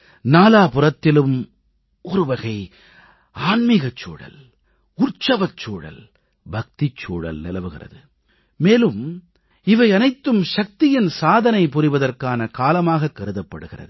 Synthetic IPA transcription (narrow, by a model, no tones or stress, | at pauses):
naːlaːpʊrɐt̪ːɪlɯm | ʔɔɾɯʋɐɣɐɪ | aːnmɪɣɐt͡ʃːoːɻɐ̰l | ʊrt͡ʃɐʋɐt͡ʃːoːɻɐ̰l | bʱɐk̚t̪ɪt͡ʃːoːɻɐ̰lnɪlɐʋɯɣɪrɐ̰ðɯ | meːlɯm | ɪʋɐɪɐnɐɪt̪ːɯmʃɐk̚t̪ɪjɪnsaːðɐnɐɪpʊrɪʋɐðɐrkaːnɐkaːlɐmaːɣɐkːɐɾɯðɐpːɐɽɯɣɪrɐ̰ðɯ